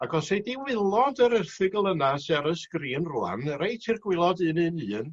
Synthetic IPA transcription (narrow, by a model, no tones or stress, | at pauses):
aɡɔsediwɪlˠɔdəɾərθɨɡəlˠənasaɾəskriːənrua̰nrejtʰɪrɡwɪlˠɔdɨːnɨnɨːn